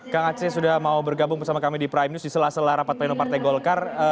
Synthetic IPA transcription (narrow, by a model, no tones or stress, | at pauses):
kaŋat͡ʃɛsudahmaubərɡabʊŋpərsamakamidipɾajmnusdisəlahsəlahɾapat̪̚painopart̪ajɡɔlkarə